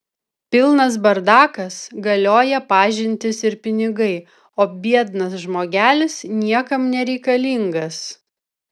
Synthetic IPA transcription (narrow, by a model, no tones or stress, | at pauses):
pʲɪlˠnɐs̬bɐɾd̪ɑːkɐsɡɐlʲoːjɛpɑːʒʲɪnʲt̪ʲɪsɪɾpʲɪnʲɪɡɐɪ | oːbʲiɛd̪nɐs̬ʒmoːɡʲæːlʲɪsnʲiɛkɐmnʲɛɾʲɛɪkɐlʲiŋɡɐs